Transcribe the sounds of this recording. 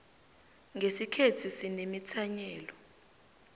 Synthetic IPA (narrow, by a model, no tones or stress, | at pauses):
ŋʱesikʰetʰusinemit͡sʰaɲɛːlɔ